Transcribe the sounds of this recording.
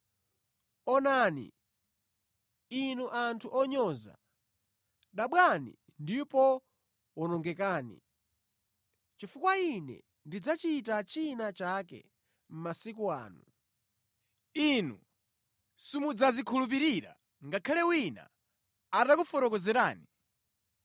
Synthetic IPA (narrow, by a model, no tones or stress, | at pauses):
ɔnaːnḭ | inuʔantʰuʔɔɲɔza̰ | ɗaɓwanḭ | ndipɔ | wɔnɔŋɡɛkaːnḭ | t͡ʃifukwainɛ̰ | ndid͡zat͡ʃitat͡ʃinat͡ʃakɛ̰ | m̩masik̬ua̰ːnu | inu | simud͡zazikʰulup̬iɾiɾa̰ | ŋɡakʰalɛwina̰ | atakufɔɾɔkɔzɛɾaːni